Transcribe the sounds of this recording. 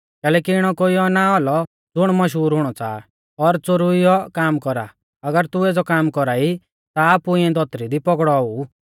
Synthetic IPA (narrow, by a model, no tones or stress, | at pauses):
kɛːlɛːkiɪɽ̃ɔkoiɔnaɦɔlɔ | d͡zʊɽ̃mɐʃ̬ɦuːɾɦʊɽ̃ɔt͡sa̰ːa | ɔɾt͡soɾuijɔkaːmkɔɾa̰ | ɐɡəɾt̪ueːd͡zɔkaːmkɔɾaːi | t̪aːpuɪ̃ɛ̃d̪ɔt̪ɾid̪ipɔɡɽɔɔuː